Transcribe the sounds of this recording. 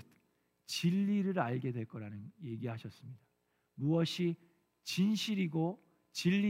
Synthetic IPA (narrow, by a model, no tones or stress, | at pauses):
t͡ɕiʎːiɾɯɾaɭɡe̞dwe̞ɭk͈ʌɾanɯnje̞ɡiɦaɕʰʌs͈ɯmɲida | muʌɕʰi | t͡ɕinɕʰiɾiɡo | t͡ɕiʎːi